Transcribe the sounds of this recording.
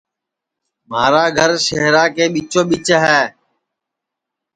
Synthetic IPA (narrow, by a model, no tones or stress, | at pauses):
maːɾaːɡʱəɾʃeɦɾaːkeːɓiːt͡ʃõːɓiːt͡ʃəɦɛː